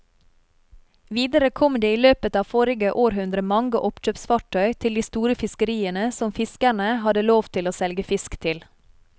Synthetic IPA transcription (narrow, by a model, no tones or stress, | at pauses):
ʋiːd̪əɾəkʰɔmd̪eːiːløːpət̪ɑːʋfɔɾɪɡəʔoːɾɦʉnd̪ɾəmɑŋɡəʔɔpt͡ʃøːpsfɑʈʰœʏt̪ʰɪld̪iːst̪uːɾəfɪskəɾiːənəsɔmfɪskæɳəhɑd̪əloːʋt̪ʰɪloːsɛlɡəfɪskt̪ʰɪl